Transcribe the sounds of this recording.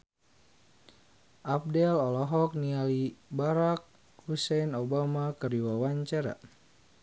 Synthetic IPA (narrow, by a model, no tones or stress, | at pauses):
ʔap̚dɛlɔlɔɦɔk̚nialibaɾak̚ | husɛjnobamakəriwawaɲt͡ʃaɾa̰